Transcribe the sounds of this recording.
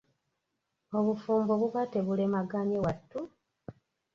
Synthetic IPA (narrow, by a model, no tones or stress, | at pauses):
o̞βufuːmboβuβateβulemaɡaɲewatːu